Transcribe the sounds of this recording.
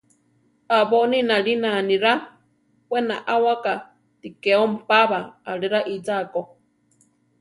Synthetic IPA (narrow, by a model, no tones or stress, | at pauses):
aβoninaɺinanĩɾa | pwenaʔawaka | t̪ikeompaβaːɺiɾaʔid͡zako